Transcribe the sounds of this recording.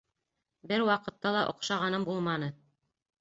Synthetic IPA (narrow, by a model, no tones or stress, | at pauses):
bɘɾwɑqɤ̆t̪ːɑlˠɑʔŏqʃɑʁɑnɤmbulˠmɑnɤ